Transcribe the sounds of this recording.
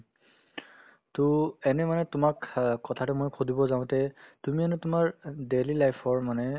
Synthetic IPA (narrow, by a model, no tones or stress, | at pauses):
tuɛnɛmanɛtʊmakkɔtʰatɛmojkʰudibɔzaʊ̃tɛtumiɛnɛtʊmaɹdelilajpʰɔɹmanɛ